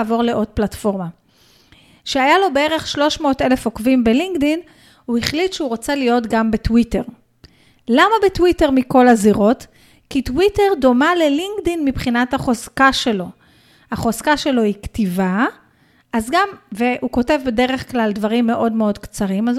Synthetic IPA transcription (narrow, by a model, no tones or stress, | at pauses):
vo̞ʁle̞ʔo̞t̚platfo̞ʁma | ʃeajalo̞be̞e̞ʁe̞χʃlo̞ʃmo̞ːte̞le̞fokvimbeliŋɡdin | uiχlitʃeuʁot͡selijo̞tɡambetwite̞ʁ | lamabetwite̞ʁmiko̞laziʁo̞t | kitwite̞ʁdo̞male̞liŋɡdinmipχinathaχo̞zkaʃe̞lo̞ | haχo̞zkaʃe̞lo̞iktiva | ʔazɡamvehuko̞te̞vbede̞ʁe̞χklaldvaʁimːe̞ʔo̞dme̞o̞dkt͡saʁimaz